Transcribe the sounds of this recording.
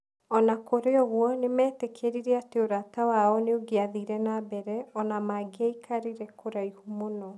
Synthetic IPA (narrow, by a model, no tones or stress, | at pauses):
ɔnakoɾeɔɣwɔnemɛːtɛkʰeɾiɾeateoɾatawaɔneoɡeaðiɾɛnabɛɾɛɔnamaɡeaikʰaɾiɾɛkʰoɾaihumonɔ